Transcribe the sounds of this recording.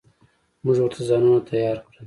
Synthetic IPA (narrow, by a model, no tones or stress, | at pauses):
mʊʒwəɾt̪ʰazɑnunat̪ʰajɑːɾkɽa